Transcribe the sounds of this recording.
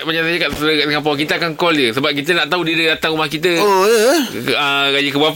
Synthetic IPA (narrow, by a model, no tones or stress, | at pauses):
maɲasajəkaʔsɾəkaʔsəŋampɔwkit̪əakaŋkɔldəsəbap̚kit̪̬ənaʔt̪audiədədat̪aŋumahkit̪̬əodəəɡad͡ʒəkəba